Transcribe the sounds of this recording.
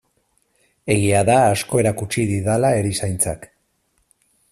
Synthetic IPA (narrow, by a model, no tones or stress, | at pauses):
e̞ɣiaðaːsko̞e̞ɾakut͡ʃiðiðalae̞ɾisajnt͡sak